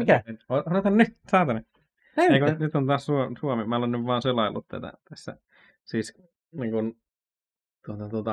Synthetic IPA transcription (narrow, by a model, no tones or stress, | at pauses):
mikæenoonet̪hɑnnytsɑːt̪ɑne | ekunyt̪ont̪ɑːssusuomemæolennyʋʋɑːnselɑilːut̪t̪æ̰t̪æ̰t̪æsːæ̰ | siːs | niːŋkun | t̪uot̪ɑt̪uot̪ɑ